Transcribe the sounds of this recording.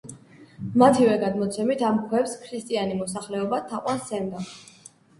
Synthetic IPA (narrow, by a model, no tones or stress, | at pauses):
mat̪ʰivɛɡad̪mɔt̪sʰɛmit̪ʰamkʰwɛpskʰɾist̪ʼianimɔsaχlɛɔbat̪ʰaqʼwansɛnd̪a